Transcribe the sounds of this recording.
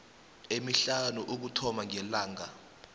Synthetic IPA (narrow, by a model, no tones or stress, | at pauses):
emiɬanuʔuk̬utʰɔmaŋɛlaːŋa